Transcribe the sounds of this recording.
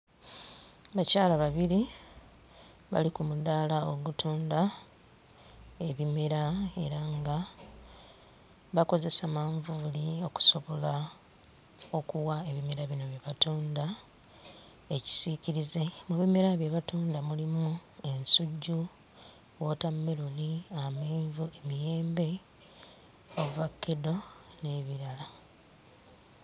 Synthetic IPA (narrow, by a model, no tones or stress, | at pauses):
βacaːlaβaβiɾi | βa̰likumudaːlaoɡutʰuːnda | e̞βime̞ɾae̞̰ɾaŋɡa | βako̞ze̞samaːɱvulio̞ku̥so̞βo̞la | o̞kuwae̞βime̞ɾaβino̞βjeβatuːnda | eci̥siciɾize̞muβimeɾaβjeβatuːndamulimue̞nsuɟːu | wotamːeluliameːɱvue̞mije̞ːmbe̞ | oβuvakːedo̞ne̞βiɾala